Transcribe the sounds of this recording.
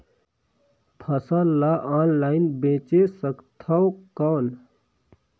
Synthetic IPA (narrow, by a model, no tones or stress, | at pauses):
pʰəsalaʔaːnlaːɪnbẽːt͡ʃesəkt̪ʰawkaːl